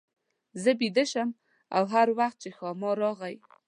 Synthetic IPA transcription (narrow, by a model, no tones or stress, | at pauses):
zəbid̪əʃəm | a̰wɦaɾwaxt̪̚t͡ʃexɑmɑɾɑɣaj